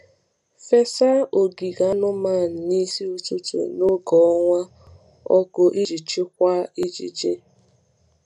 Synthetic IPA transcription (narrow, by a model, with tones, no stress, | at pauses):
fe˦sa˦o˨ɡi˨ɣa˦nʊ˦ma˦˨n̩˨ni˦si˦u˦t͡ʃe˦t͡ʃḛ˨no˦ɡɔ˨ɔ˦ŋʷa˦ | ɔ̰˦kʊ˦ʔi˦d͡ʒi˨t͡ʃɪ˦kʷa˦i˦d͡ʒḭ˨d͡ʒe˦